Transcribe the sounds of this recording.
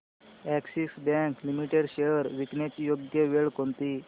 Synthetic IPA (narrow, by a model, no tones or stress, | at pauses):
æksisbæ̃ŋklimiʈeɖɕejəɾʋiknet͡ɕjoɡjəʋeɭkont̪i